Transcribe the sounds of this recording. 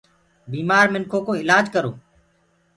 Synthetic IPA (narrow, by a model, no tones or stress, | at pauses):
biːmaːɾmɪnkʰoːkoːɪlaːd͡ʒkəɾo̰ː